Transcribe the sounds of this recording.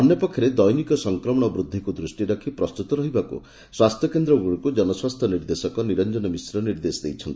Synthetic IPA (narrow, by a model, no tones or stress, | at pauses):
ɔnjɔpɔkʰːjɔɾed̪ɔjnikɔsɔŋkɾɔmɔɽ̃ɔbɾud̪ʱːikud̪ɾusʈiɾɔkʰipɾɔst̪ut̪ɔɾɔɦibakṵ | swast̪ʰjɔkend̪ɾɔɡuɽukud͡ʒɔnɔswast̪ʰjɔniɾd̪esɔkɔniɾɔnd͡ʒɔnɔmisɾɔniɾd̪esd̪ejt͡ʃʰɔnt̪i̥